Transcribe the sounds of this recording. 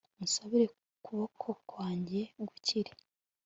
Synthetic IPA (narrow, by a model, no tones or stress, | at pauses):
ŋusaβiɾe̞ | kuβo̞kʰo̞kwaːɲɟe̞ɡuciɾe